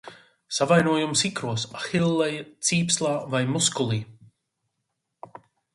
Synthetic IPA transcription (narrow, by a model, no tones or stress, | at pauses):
savajnuɔjumsikɾuɔsaxilˠːɛjt̪siːpslˠaːvajmuskulˠiː